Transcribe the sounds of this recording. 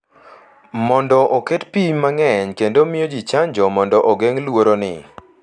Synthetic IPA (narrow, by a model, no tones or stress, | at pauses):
mɔndɔʔoketpimaŋɛɲkendomɪjod͡ʒit͡ʃaɲd͡ʒɔmɔndɔʔoɡeŋlwoɾonɪ̰